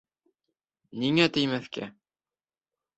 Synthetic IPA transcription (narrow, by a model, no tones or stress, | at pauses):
niŋæt̪ɘ̆jmæθkæ